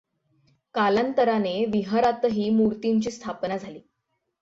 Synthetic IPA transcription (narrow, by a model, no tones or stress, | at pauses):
kalant̪əɾaneʋiɦaɾat̪əɦiːmuɾt̪iɲt͡ɕiːst̪ʰapnad͡zʱaliː